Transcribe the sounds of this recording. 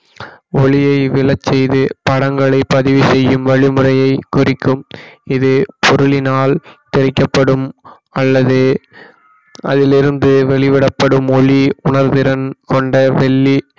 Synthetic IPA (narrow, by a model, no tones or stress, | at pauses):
ɔɭɪjɐɪʋɪlɐt͡ʃsɛjðɯpɐɽɐŋɡɐɭɐɪpːɐðɪʋisɛjːɯmʋɐɭɪmɯɾɐjɐɪkːʊrɪkːɯmɪðɯpʰɔɾɯlɪnaːlt̪ɛɾɪkːɐpːɐɽɯm | ɐlːɐðɯ | ʔɐ̰ðɪlɪɾɯnd̪ɯʋɛɭɪʋɪɽɐpːɐɽɯmɔɭiʊɳɐɾðɪɾɐnkɔɳɖɐʋɛɭːi